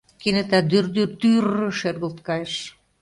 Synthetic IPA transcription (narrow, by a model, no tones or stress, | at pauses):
kinĕt̪æd̪yrd̪yrt̪yrəʃerɣəlt̪kɑjeʃ